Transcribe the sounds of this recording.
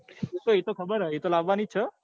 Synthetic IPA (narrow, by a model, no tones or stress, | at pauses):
et̪oet̪okʰəbəɾɦəet̪olaʋːanit͡ʃʰə